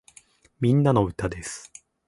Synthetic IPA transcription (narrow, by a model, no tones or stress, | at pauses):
mʲĩnːano̞ɯ̟t̪ad̪esɨ̥